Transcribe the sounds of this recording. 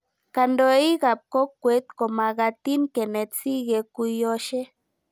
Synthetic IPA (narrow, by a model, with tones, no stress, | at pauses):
ka˧nd̪o˧˦i˦ɡa˨p̚ko˦kːʷe˦t̪ko˨ma˨ɣa˧t̪i˦ŋke˨ne˨t̪si˦ɡe˧kʷi˧jo˧ʃe˦